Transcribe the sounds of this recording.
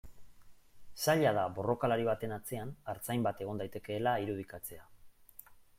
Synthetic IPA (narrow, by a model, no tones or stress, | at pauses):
saʎaðaβo̞ro̞kalaɾiβ̞at̪e̞nat͡se̞anaɾt͡sajmbat̪e̞ɣ̞ond̪ajt̪e̞ke̞ːlaiɾuð̞ikat͡se̞a